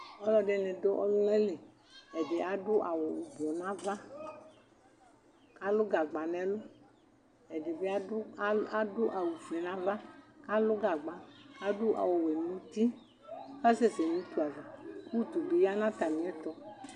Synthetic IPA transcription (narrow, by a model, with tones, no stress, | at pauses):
ɔ˦lɔ˦ɖe˨nɛ̃˨do˦ʔɔ̰˦lu˦nɛ˦le˨ | ɛ˨de˨ʔa˨dʊ˦ʔa˨wo˨u˨bɔ˨nã˦va˦ | ka˦lʊ˦ɡa˨ɡ͡ba˨nɛ̃˨˦lʊ˦ | ɛ˨dɪ˨be˦a˦a˦dʊ˦ʔa˨wu˨vɛ˨nã˦va˦ka˦lʊ˦ɡa˨ɡ͡ba˨ka˦dʊ˦ʔa̰˨wo˨we˨n˦ũ˦t̪i˦ | ka˦se˦˨se˨nĩ˦t̪u˦a˨va˨ku˦˨t̪u˨be˨ja˦nã˦t̪a˨mĩ˨˦ɛ˦t̪ɔ˦